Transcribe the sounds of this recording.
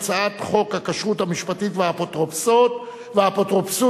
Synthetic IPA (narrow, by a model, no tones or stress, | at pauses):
t͡saat̪χo̞khakaʃʁuthamiʃpatitveapotʁopsot | veapotʁopsu